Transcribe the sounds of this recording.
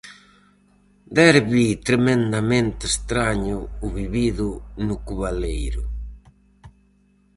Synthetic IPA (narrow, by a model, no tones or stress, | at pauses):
d̪ɛɾβit̪ɾemẽnd̪amẽnt̪est̪ɾaɲʊːβiβiðʊnʊkuβalejɾʊ